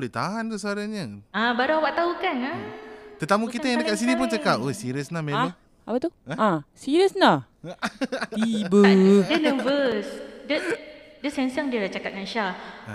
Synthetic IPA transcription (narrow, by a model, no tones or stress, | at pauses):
lɛht̪aɦant̪usəaɾaɲəãbaɾuawaʔt̪aukanat̪ət̪amukit̪ajaŋdəkaʔ̪̚sinip̬unt͡ʃəkap̚osiɾiəsnamei | apat̪uaãsiɾiəsna | ibədənə̃vəsdə | dəsɛnsaŋdiəlat͡ʃakat̪̚ŋanʃa